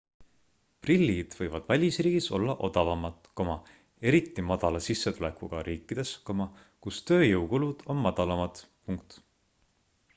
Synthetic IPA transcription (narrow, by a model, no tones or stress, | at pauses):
prilʲːid̪̥vɤjvɑd̪̥vælʲisriːɡ̥iso̞̰lːɑʔo̞d̪̥ɑvɑmɑt̪ko̞mɑ | e̞ɾit̪ːˑimɑd̪̥ɑlɑsisːet̪ule̞kuɡ̥ɑɾʔiːkːˑid̪̥e̞sko̞mɑ | kust̪ø̞ːjɤwkulud̪̥o̞nmɑd̪̥ɑlɑmɑd̪̥ | puŋkt̪